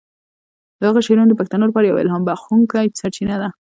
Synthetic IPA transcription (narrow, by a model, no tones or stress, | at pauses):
d̪aɣaʃeɾunod̪əpakt̪anolpɑɾaja̰wɪ̰lɦɑmbaxuŋkajsaɾt͡ʃinad̪a